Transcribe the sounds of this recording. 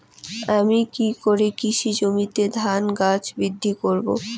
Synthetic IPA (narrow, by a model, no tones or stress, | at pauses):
amikikoɾekiʃid͡ʑomit̪ed̪ʱanɡat͡ɕbid̪ʱːikoɾbo